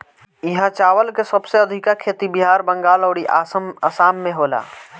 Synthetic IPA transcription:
ɪɦãt͡ʃaːʋəlkesəbseəd̪ʱɪkakʰeːt̪ibiɦaːɾbə̃ŋɡaːlɔːɽiʔa̰ːsəməsaːmːẽɦoːla̰ː

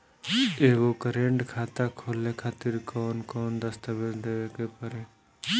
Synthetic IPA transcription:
eːɡoːkəɾẽːɳɖkʰaːt̪akʰoːlekʰaːt̪ɪɾkɔːnkɔːnd̪əst̪əʋesd̪eʋeːkepəɾeː

